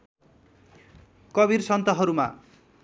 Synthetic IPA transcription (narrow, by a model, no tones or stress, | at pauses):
kʌbirsʌnt̪ʌɦʌɾuma̰